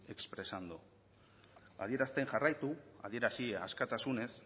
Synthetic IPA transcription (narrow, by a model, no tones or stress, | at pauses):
e̞kspɾe̞sand̪o | a̰ðie̞ɾast̪e̞ŋʝarajt̪ua̰ð̞ie̞ɾasia̰skat̪asune̞s